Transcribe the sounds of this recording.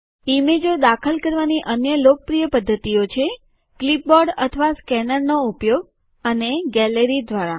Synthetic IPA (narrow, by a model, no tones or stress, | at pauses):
imed͡ʒod̪akʰəlkəɾʋaniʔənjəlokəpɾijəpəd̪ʱːət̪iot͡ʃʰe | klip̚bɔɖət̪ʰəʋaskɛnəɾnoupjoɡ̚ | əneɡɛləɾid̪ʱʋaɾa̰